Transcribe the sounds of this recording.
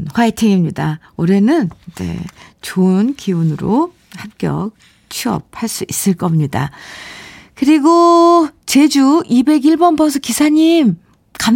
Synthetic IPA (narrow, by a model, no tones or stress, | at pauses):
ɸwaetʰeŋimɲida | oɾe̞nɯnd͡ʑḛt͡ɕonkiunɯɾo | hap̚k͈jʌ̰k̚ | t͡ɕʰiʌ̰p̚haɭs͈uʔis͈ɯɭk͈ʌmɲida | kɯɾiɡot͡ɕe̞d͡ʑuibe̞ɡiɭbʌnbʌsʰʌkisʰaɲim | kam